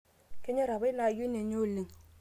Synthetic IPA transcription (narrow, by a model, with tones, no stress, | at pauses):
ke˦ɲe˦ɾa˨βa˦na˨ju˦ne˨ɲo˦˨li˨ŋ